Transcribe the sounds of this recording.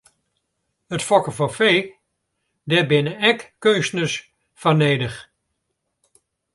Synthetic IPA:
ətfɔkəfɔfeː | dɛbɪnəɛkːønstnəs | fɔneːdəχ

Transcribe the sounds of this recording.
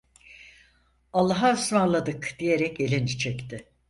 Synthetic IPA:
alˠːaɦaøsmaɾlˠad̪ɯkd̪̥ije̞ɾɛcelʲinit͡ʃʰɛct̪ʰɪ

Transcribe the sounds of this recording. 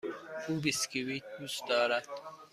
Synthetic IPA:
uːbiskiwit̪̚d̪uːsd̪ɒːɾæd̪̥

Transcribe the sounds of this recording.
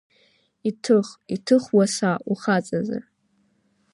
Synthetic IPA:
itʰɨχitʰɨχwasaʔuχat͡sʼaza̰r

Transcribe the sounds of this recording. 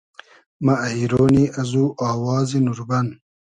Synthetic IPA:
mɐɐiɾoːniɐzuʔaːwɑːzinuɾbɐn

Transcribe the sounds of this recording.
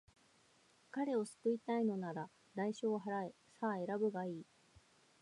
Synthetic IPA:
kaɾe̞o̞sɨ̥kɯ̟it̪aino̞naɾa | d̪aiɕoːɦaɾae | saːe̞ɾabɯ̟ɡaiː

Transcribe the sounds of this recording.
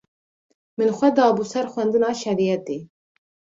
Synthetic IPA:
mɨnxʷwɛd̪ɑːbusɛɾxʷɛnd̪ɨnɑːʃɛɾijɛt̪eː

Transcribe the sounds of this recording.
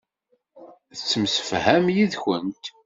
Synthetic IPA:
θət͡sːəmsə̥fhæmjiðçənt̪

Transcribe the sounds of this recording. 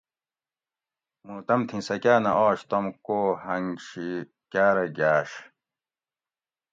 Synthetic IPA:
muːt̪ɐmt̪ʰĩsɐkaːnɐʔɔːɕt̪ɐmkoːhɐŋɕi | kaːɾɐɡaːɕ

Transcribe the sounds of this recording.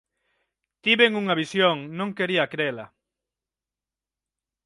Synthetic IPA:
t̪iβeŋuŋɐβisjoŋnõŋkeɾiɐkɾelɐ

